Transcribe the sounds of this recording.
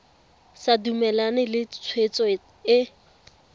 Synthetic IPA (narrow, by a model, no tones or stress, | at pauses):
sadumɛlanɪlɪt͡sʰwet͡sʼɔ | ɪ